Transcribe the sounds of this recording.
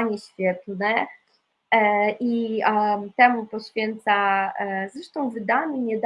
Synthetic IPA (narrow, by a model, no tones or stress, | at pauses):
ɲɛɕfʲjɛt̪nɛ | ʔi | t̪ɛmupɔɕfʲjɛnt̪sazɾɛʂt̪ɔ̃w̃vɘd̪aɲʲɛɲɛd̪